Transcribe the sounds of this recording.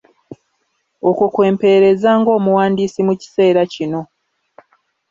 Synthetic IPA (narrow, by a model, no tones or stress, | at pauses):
okukwe̞ːmpe̞ːɾe̞zaːŋɡo̞ːmuwaːndiːsimuci̥se̞ːɾacino̞